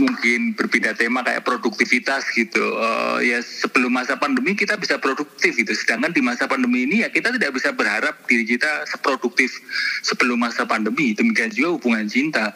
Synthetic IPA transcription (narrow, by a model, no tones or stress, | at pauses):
muŋkɪnbərpidat̪emakaja̰ʔpɾoduk̚t̪ifit̪asɡ̥it̪ṵə̰jasəpəlʊmasapandəmikit̪abisapɾoduk̚t̪ɪfɡit̪usədaŋkandimasapandəmiːnijakit̪at̪idak̚bisabərɦaɾap̚d̥iɾit͡ʃit̪asəpɾoduk̚t̪ɪfsəpəlʊmasapandəmidəmikiand͡ʒuɡahubuŋant͡ʃint̪a